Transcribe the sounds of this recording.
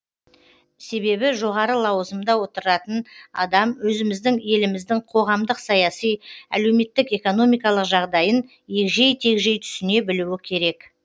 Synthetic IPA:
se̞βe̞βɪʒo̞ʁɑɾəlˠɑwəzəmd̪ɑwo̞t̪əɾɾɑt̪ənɑ̰d̪ɑmwɵzɪmɪzd̪ɪŋe̞lɪmɪzd̪ɪŋqʰo̞ʁɑmd̪əqsɑjɑsijæ̰le̞wme̞t̪ːɪke̞ko̞no̞mijkɑlˠəqʒɑʁd̪ɑjən | je̞kʒe̞jt̪ʰe̞kʒe̞jt̪ʰʏ̥sɪne̞bɪluɪkʲʰe̞ɾe̞k

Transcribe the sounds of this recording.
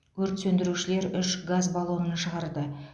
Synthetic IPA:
kʰɵɾt̪sɵnd̪ɪɾuʃɪle̞ɾʏʃɡazbɑlˠuənʃəʁɑɾd̪ə

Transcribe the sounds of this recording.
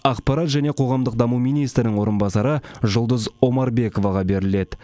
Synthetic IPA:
ɑqpɑɾɑt̪ʒæne̞qʰo̞ʁɑmd̪əq̚d̪ɑmumijnijst̪ɾɪnɪŋwo̞ɾənbɑsɑɾəʒʊlˠd̪əzo̞mɑɾbe̞ko̞vɑʁɑbe̞ɾɪle̞d̪ɪ

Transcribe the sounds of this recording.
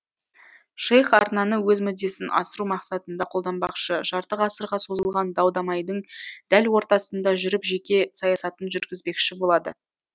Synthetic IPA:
ʃejχɑɾnɑnəwɵzmʏd̪ːe̞sɪnʔɑ̰səɾumɑqsɑt̪ənd̪ɑqʰo̞lˠd̪ɑnbɑqʃəʒɑɾt̪əqɑsəɾʁɑso̞zəlˠʁɑnd̪ɑwd̪ɑmɑjd̪əɴd̪̥ælwo̞ɾt̪ɑsənd̪ɑʒʏɾɪpʒe̞kʲe̞sɑjɑsɑt̪ənʒʏɾɡʲɪzbe̞kʃɪbo̞lˠɑd̪ə

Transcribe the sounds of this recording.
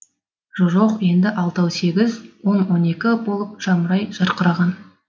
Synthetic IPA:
ʒoʒoqje̞nd̪ɪʔɑlˠt̪ɑwse̞ɡʲɪzwo̞nwo̞ne̞kʲɪbo̞lˠəp̚ʒ̥ɑməɾɑjʒ̥ɑɾqəɾɑʁɑn

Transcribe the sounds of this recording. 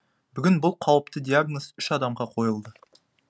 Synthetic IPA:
bʏɡʲɪnbʊlˠqʰɑwəpt̪əd̪iaɡnosʏʃɑd̪ɑmʁɑqʰo̞jəlˠd̪ə

